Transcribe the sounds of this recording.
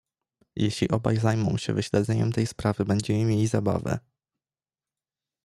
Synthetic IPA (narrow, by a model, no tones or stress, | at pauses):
jɛɕlʲiʔɔba̰jzajmɔ̰̃w̃ɕɛ̰vɘɕlɛd̪zɛɲɛ̰mt̪ɛjspɾavɘbɛɲd͡ʑɛmɘmʲjelʲizaba̰vɛ̰